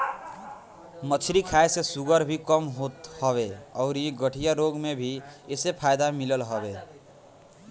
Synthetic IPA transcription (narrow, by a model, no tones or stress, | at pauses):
mət͡ʃʰɾikʰaesesuɡəɾbʱikəmɦot̪hʌβeɔʊɾiɡəʈʰijaɾoɡmebʱiesepʰajd̪amiləlɦəbe